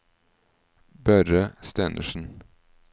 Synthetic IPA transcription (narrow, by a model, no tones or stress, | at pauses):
bœɾəst̪eːnʔə̰ʃn̩